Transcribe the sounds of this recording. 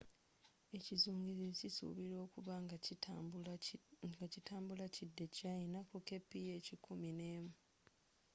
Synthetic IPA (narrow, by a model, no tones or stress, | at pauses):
e̞cizuːŋɡizicisṵβiɾo̞ːkuβaŋ | ɡacitaːmbulacidːe̞cainakoke̞pːije̞ːcikʰumine̞ːmu